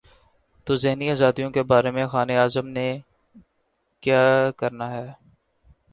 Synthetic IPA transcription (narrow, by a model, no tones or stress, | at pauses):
t̪oːzɪɦniaːzaːd̪ijõkebaːɾemẽxaːneaːzəmne | kjaːkɐɾnaɦɛː